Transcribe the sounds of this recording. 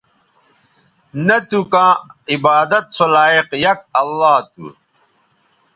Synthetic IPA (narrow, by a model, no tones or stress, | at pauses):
nɐt̪ukãːibaːd̪ɐt̪̚sʰolaːiqjɐk̚ɐlːaːt̪ṵ